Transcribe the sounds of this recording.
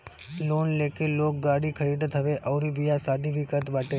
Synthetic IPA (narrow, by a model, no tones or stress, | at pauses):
lonlekelok̚ɡaɽikʰəɾid̪ət̪ɦəʋeʔəwɾiʋijasad̪iʋikət̪ʋaʈe